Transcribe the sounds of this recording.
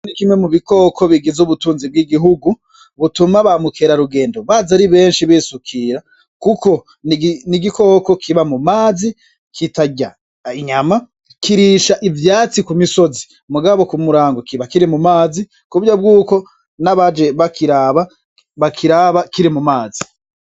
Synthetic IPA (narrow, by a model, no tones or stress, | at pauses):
anikimwe̞muβiko̞kʰo̞βiɡizuβutuːnzib̚ɡiɡiɦuɡu | βutumaβamukʰeɾaɾuɡe̞ːndoβaːzaɾiβe̞ːnʃiβiːsukʰiːɾa | kuko̞ | niɡiko̞ːko̞kʰiβamumaːzi | kitaɟa | iɲama | kiɾiʃaʔivjaːt͡sikumiso̞zi | muɡaβo̞kumuɾaːŋɡokiβakiɾimumaːzi | kuβjab̚ɡuːko̞ | naβad͡ʒe̞βakiɾaːβa | βakʰiɾaβakiɾimumaːzi